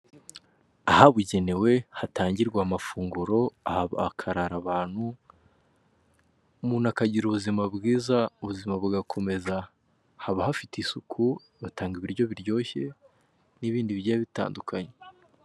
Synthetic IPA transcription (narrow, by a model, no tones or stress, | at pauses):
ahaβuɟe̞ne̞we̞hataːɲɟiɾɡwaːmafuːŋɡuɾo̞ahβkʰaɾaɾaβaːn̥hu | muːnhakaɟiɾuβuzimabɡiːzauβuzimaβuɡakʰo̞me̞za | haβahafitisukʰu | βataːŋɡiβiɾɟo̞βiɾɟo̞ːçe̞ | niβiːndiβiaaβita̰ːndukʰaɲe